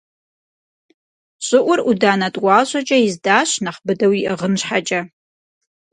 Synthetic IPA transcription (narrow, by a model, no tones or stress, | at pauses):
ɕʼɪʔʷʊrudaːnɐtʼwɑːɕʷʼɐt͡ʃʼɐjɪzdaːɕnɐχbɨdɐwiʔɨʁənɕħat͡ʃʼɐ